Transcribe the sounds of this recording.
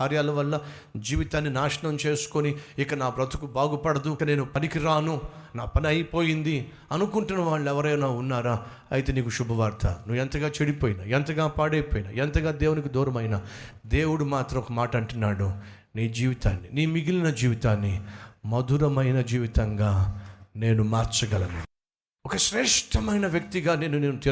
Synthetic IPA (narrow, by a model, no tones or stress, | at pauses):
aːɾjaːlɐʋɐlːɐ | d͡ʒiːʋit̪aːnːinaːʃɐɳɐmt͡ʃe̞ːsu̥koniikːɐnaːbɾɐt̪u̥kubaːɡupɐɽɐd̪ukɐneːnupɐnikiɾaːnunaːpɐnɐjpoːjind̪i | ɐnukuɳʈunɐʋaːɭːuɛʋɐɾɐjnaːunːaːɾaː | ɐjit̪̬eːniːkuʃubʱɐʋaːɾt̪ʰɐ̰nuʋːɛnt̪ɐɡaːt͡ʃeɽipoːjina̰ːɛnt̪ɐɡaːpaːɽɐjpoːjna̰ːɛnt̪ɐɡaːd̪eːwunik̬id̪ɔːɾɐmɐjna | d̪e̞ːwuɽumaːt̪ɾɐmɔkɐmaːʈɐɐɳʈunːaːɽu | niːd͡ʒiːʋit̪aːnːiniːmiɡilinɐd͡ʒiːʋit̪aːnːimɐd̪ʱuɾɐmɐjnɐd͡ʒiːʋit̪ɐŋɡaːne̞ːnumaːɾt͡ʃɐɡɐlɐnu | ɔkɐʃɾɛːʂʈʰɐmɐjnɐʋjɐk̚t̪iɡaːne̞ːnuneːnut̪i